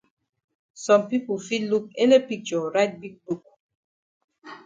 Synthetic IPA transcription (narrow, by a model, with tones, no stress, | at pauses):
sɔ̃˨mpi˦pu˨fi˦tlu˦k̚e˦le˦pi˦k̚t͡ʃɔ˨ɹa˦ɪt̚bi˦k̚bu˦k̚